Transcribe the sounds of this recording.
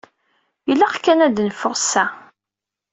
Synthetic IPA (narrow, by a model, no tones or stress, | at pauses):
jəlːæʁkːænæd̪nfʊʁsæ